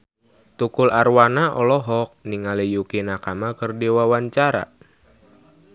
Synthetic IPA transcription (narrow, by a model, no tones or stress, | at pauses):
t̪ukularwanaʔɔlɔɦɔk̚niŋalijukinakamakərdiwawaɲt͡ʃaɾa̰